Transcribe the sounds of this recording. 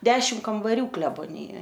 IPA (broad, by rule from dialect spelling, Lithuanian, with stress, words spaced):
ˈdʲæːʃʲɪm kɐmbɐˈrʲuː klʲɛboːˈnʲɪjoːj